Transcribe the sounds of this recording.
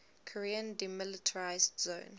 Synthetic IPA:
kʰɔɹiə̃ndimɪlɪtʰəɹaɪzdzõn

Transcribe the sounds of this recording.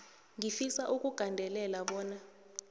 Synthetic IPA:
ŋifisaʔuk̬ʼuɡ̥ʱandʱɛlɛlaɓɔːna

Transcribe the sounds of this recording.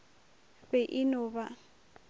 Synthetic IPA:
bɛʔɪnʊːba

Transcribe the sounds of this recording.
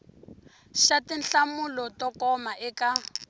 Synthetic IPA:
ʃatinɬamulɔtɔkɔmaʔɛka

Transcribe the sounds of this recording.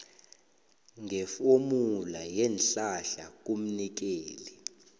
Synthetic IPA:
ŋɛfomulajɛnɬaɬak̬ʼum̩nik̬eːli

